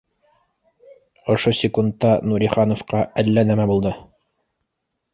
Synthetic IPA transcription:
ŏʃosʲɪkunt̪ːɑnuɾʲiχɑnŏfqɑʔælːænæmæbulˠd̪ɤ

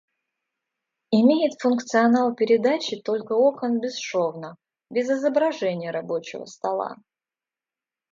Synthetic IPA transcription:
ɪmʲejɪt̪fʊnkt̪sɨɐnalˠpʲɪɾʲɪd̪at͡ɕɪt̪o̞lʲkəokənbʲɪsʂovnə | bʲɪzɪzəbɾɐʐɛnʲɪjəɾɐbo̞t͡ɕɪ̰və̰st̪ɐlˠa̰

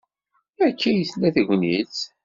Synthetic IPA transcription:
ækʰːæjəθlːæθʝʷnit͡s

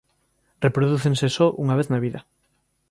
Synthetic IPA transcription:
repɾoð̞uθensesɔʔṵŋaβ̞eθnaβiðɐ

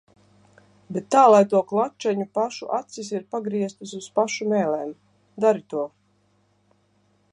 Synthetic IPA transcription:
bet̪ːaːlˠajt̪uɔklˠat͡ʃɛɲupaʃuʔat̪sis̬iɾpaɡɾiɛst̪ɨsuspaʃumɛːlɛːm | d̪aɾit̪uɔ

